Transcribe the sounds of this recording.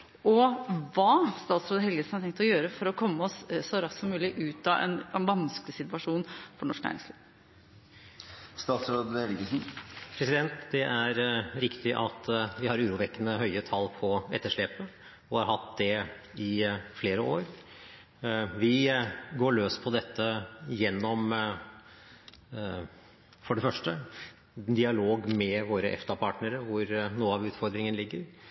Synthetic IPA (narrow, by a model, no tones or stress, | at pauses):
ɔʋɑːst̪ɑːt̪sɾoːd̪əɦɛlɡəsn̩hɑʈ̪ʰɛŋkt̪ɔjøːɾəfɔɾɔkʰɔmːəɔssɔɾɑssɔmʉːlɪʔʉːt̪ɑʔɛ̰nɛnʋɑnsklɪsɪt̪ʉɑʂuːnfɔɳɔʂk̚næ̰ɾɪ̰ŋsliːʋ | st̪ɑːt̪sɾoːd̪hɛlɡəsn̩pʰɾɛsɪd̪ɛnt̪d̪ɛʔæɾɾɪkt̪ɪʔɑt̪ʋɪhɑɾʉːɾuʋɛkːənəhœʏət̪ʰɑlpʰɔɛt̪ːəʂɭeːpə | ɔhɑɾɦɑt̪d̪ɛ | ɪfleːɾəoːɾ | ʋɪɡoːɭøːspʰɔd̪ɛt̪ːəjɛnːɔm | fɔɖɛfœʂʈə | d̪ɪɑloːɡmɛʋoːɾəʔɛ̰ft̪ɑpʰɑːʈnəɾəʋʊɾnuːəɑʋʉːt̪fɔɾd̪ɾɪŋənlɪɡːəɾ